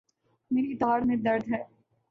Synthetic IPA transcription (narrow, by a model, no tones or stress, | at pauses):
meːɾit̪aaɾmẽd̪ɐɾd̪ɦɛː